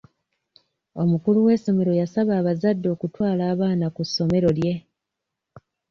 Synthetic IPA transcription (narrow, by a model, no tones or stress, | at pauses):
o̞mukuluwe̞ːso̞me̞ɾo̞jasaβaːβazadːo̞ːkutwaːlaːβaːnakusːo̞me̞ɾo̞lje̞